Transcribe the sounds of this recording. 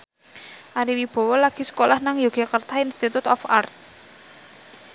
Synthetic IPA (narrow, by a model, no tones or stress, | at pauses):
ʔaɾiwib̥ɔ̤wɔlaɡ̥i̤sə̥kolahnaŋjoɡ̥akərt̪ainst̪it̪ut̪ɔfart̪̚